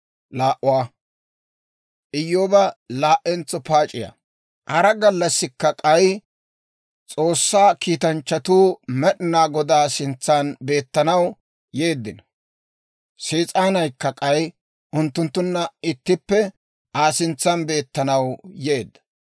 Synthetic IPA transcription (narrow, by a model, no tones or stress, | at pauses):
laːʔʊwaː | ʔɪjːoːbɐlaːʔɛnt͡sːɔpaːt͡ʃʼɪja̰ | hɐɾɐɡɐlːɐsːɪkːɐkʼɐj | t͡sʼo̞ːsːaːkiːt̪ɐnt͡ʃːɐt̪uːmɛɗɪnaːɡɔd̪aːsɪnt͡sːanbe̞ːt̪ːɐnɐw | je̞ːd̪ːɪn | seːt͡sʼaːnɐjkːɐkʼɐj | ʔʊnt̪ːʊnt̪ːʊnːɐɪt̪ːɪpːɛ | ʔaːsɪnt͡sːɐnbe̞ːt̪ːɐnɐwjeːd̪ːɐ̥